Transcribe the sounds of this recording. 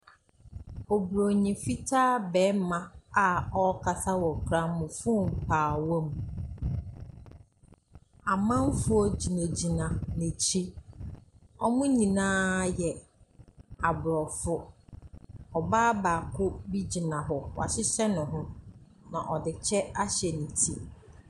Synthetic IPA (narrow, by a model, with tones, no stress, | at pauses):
ɔ˨bɾo˨ɲĩ˨fi˦tʰaː˦bɛ˨˦mã˦a˨ɔ˦kʰa˨sa˦wɔ˨kʰɾã˦mʊ̃˨fʊ̃˦m˨pʰaː˨wɔ̃˦m˨ | a˨mã˦m˦fʊ˦ɔ˦˨d͡ʑi˨ne˨d͡ʑi˨nã˨nɪ̃˨t͡ɕʰi˦ | ɔ˦mʊ̃˦ɲĩ˨nãː˦jɛ˨ | a˨bʊ˨ɾɔ˨fʊ˦ | ɔ˨baː˦ba˨kʰʊ˦bi˦d͡ʑi˨nã˨ɦɔ˨wa̰˨ɕɪ˦ɕɛ˦nʊ̃˨ɦʊ̃˦nã̰˨ʔɔ˨dɪ˨t͡ɕʰɛ˦a˦ɕɛ˨nĩ˨tʰi˦